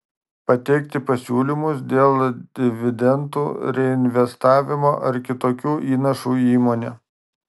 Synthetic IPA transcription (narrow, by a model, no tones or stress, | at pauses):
pɐt̪ʲɛɪkt̪ʲɪpɐsʲuːlʲimʊs̬d̪ʲeːlˠd̪ʲɪʋʲɪd̪ʲɛnt̪ṵːɾʲɛɪnʲʋʲɛst̪ɑːʋʲɪmo̰ːʔɐɾkʲɪt̪oːkʲuːʔiːnɐʃuːiːmoːnʲɛː